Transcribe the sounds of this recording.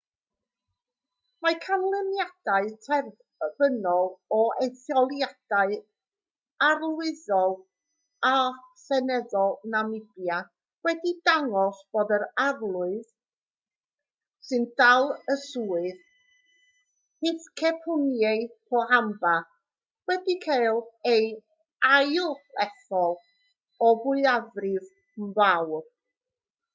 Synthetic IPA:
majkʰanlˠɛmjad̥aɨtʰɛr | v̥ənɔlˠɔejθjɔlˠjad̥aɨ | arlˠwɪðɔlˠ | asɛnɛðɔlˠnamɪb̥ja | wɛdidaŋɔsb̥oːdəɾarlˠʊɨð | sɨnd̥alˠəsuːɨð | hɪθkʰɛpʰʊnjeɨpʰɔɦamba | wɛdikʰajlˠej | ajlˠɛθɔlˠ | ɔbʊɨaðrɪv | mvawr

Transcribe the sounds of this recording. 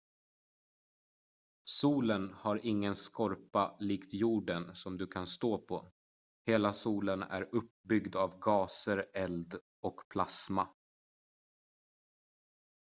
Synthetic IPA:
suːlənhaɾʔɪŋːənskɔɾpaliːkt̪juːɖənsɔmd̪ɵkʰanst̪oːpʰɔ | heːlasuːlənæ̰ɾɵp̚bʏɡd̪avɡɑːsəɾɛld̪ | ɔkpʰlasma

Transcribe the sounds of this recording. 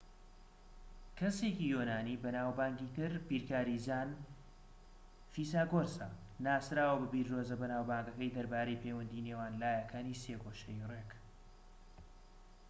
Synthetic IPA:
kʰɐseːcijonaːniːbɐnaːwbaːŋɡiːt̪ɨɾbiːɾkaːɾizaːn | fiːsaːɡoɾsa | naːsɾaːwɐbɨbiːɾdoːzɐbɐnaːwbaːŋɡɐkɐjd̪ɐɾbaːɾejpʰewɐnd̪iːnewaːnlaːjɐkʰaːniseːɡoːʃɐjrek

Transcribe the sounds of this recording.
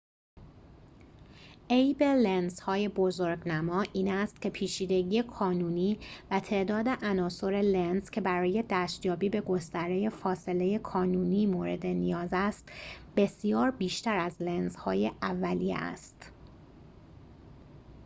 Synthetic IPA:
ʔejbelenz̥hɒːje̞bozoɾɡnæmɒːʔiːnæst̪cʰe̞pʰiːt͡ʃʰiːd̪e̞ɟiːjekʰɒːnuːniːvæt̪ʰe̞ʔd̪ɒːd̪e̞ʔænɒːso̞ɾe̞lenz̥cʰe̞bæɾɒːje̞d̪æːʃt̪jɒːbiːbe̞ɡo̞st̪æɾe̞je̞fɒːsele̞je̞kʰɒːnuːniːmoːɾe̞̰d̪e̞nijɒːzæst̪b̥e̞sijɒːɾbiːʃt̪æɾæzlenz̥hɒ̰ːje̞ʔævːælijḛæ̰st̪

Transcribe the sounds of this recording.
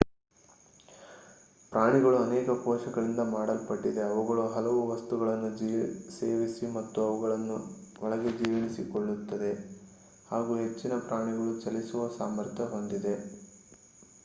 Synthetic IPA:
pɾʔaːɳiɡɐɭuɐnɛːkɐpɔːʂɐɡɐɭind̪ɐmaːɽɐlpɐʈːid̪e̞ɐʋuɡɐɭuɦɐlɐʋuʋɐst̪uɡɐɭɐnːud͡ʒise̞ːʋisimɐt̪ːuɐʋuɡɐɭɐnːuɔɭɐɡe̞d͡ʒiːʋɐnisiko̞ɭːut̪ːɐd̪e̞ | haːɡuːɦe̞t͡ʃːinɐpɾaːɳiɡɐɭut͡ʃɐlisuʋɐsaːmɐɾt̪ʰjɐɦo̞nd̪id̪e̞

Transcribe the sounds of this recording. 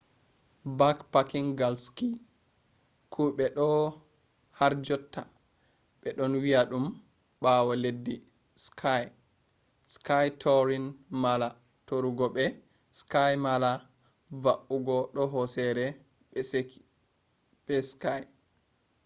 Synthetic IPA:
bakpakiŋɡalski | kʰuɓɛɗɔ | haɾd͡ʒɔtʰːa̰ | ɓɛɗɔnwiaɗum | ɓawɔledːi | skʰaj | skajtʰɔɾinmala | toɾuɡɔɓɛ | skajmala | vaʔuɡɔɗɔɦɔsɛɾɛ | ɓɛseki̥ | ɓɛskaj

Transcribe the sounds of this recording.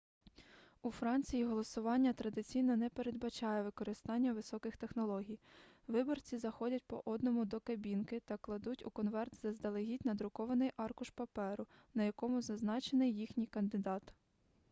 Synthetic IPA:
ufɾɑnʲt͡sʲijiɦɔlˠɔsʊʋɑnʲːɐt̪ɾɐd̪ɪt͡sʲijnɔnɛpe̞ɾe̞d̪bɐt͡ʃɑjɛʋɪkɔɾɪst̪ɑnʲːɐʋɪsɔkɪxt̪exnɔlˠɔɦʲij | ʋɪbɔrt͡sʲizɐxɔdʲɐt̚ʲpɔ̰ʔɔd̪nɔmʊd̪ɔkɐbʲinkɪt̪ɐklˠɐd̪utʲʊkɔnʋɛrt̪zɐzd̪ɐlˠeɦʲitʲnɐd̪ɾʊkɔʋɐnɪjʔɑrkʊʃpɐpɛɾʊnɐjɐkɔmʊzɐznɑt͡ʃenɪjːixnʲijkɐnd̪ɪd̪ɑt̪

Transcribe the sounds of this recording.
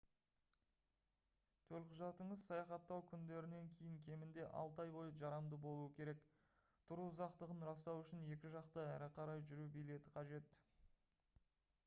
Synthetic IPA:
t̪ʰɵlqʰʊʒɑt̪əɴəzsɑjɑχɑt̪ːɑwkʲʰʏnd̪e̞ɾɪne̞ŋkʲʰejɪŋkʲʰe̞mɪnd̪e̞ʔɑ̰lˠt̪ɑjbo̞jˠəʒɑɾɑmd̪əbo̞lˠuəkʲʰe̞ɾe̞k | t̪ʰʊɾuzɑqt̪əʁənɾɑs̬t̪ɑwʏʃɪnje̞kʲɪʒɑqt̪əæɾɪqʰɑɾɑjʒʏɾubijle̞t̪ɪqʰɑʒe̞t̪

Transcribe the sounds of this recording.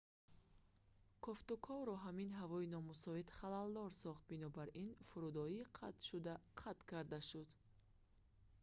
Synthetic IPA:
kʰɔft̪ukʰɔvɾɔɦaminɦavɔinɔmusɔit̪χalald̪ɔɾsɔχt̪̚binɔbaɾinfuɾud̪ɔiːqʰat̪ʃud̪aqʰat̪kʰaɾd̪aʃud̪

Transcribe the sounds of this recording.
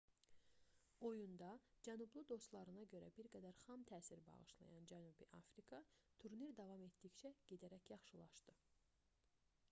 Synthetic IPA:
o̞jund̪ɑd͡ʒænublˠɯd̪o̞st̪lˠɑɾɯnɑɟø̞ɾæ̰biɾɡæd̪æɾχɑmt̪ʰæːsiɾbɑ̰ʁɯʃlˠɑ̰jɑnd͡ʒænubiʔɑ̰fɾikʰɑt̪ʰuɾniɾd̪ɑvɑme̞t̪d̪içt͡ʃʰæɟ̥ed̪æɾæcjɑχʃɯlˠɑʃt̪ɯ

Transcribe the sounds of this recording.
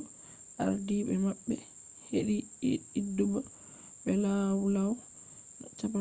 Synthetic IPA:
ʔa̰ɾdiɓɛmaɓːɛ̰ | heɗiːduba | ɓɛlawlaw | nɔt͡ʃapa

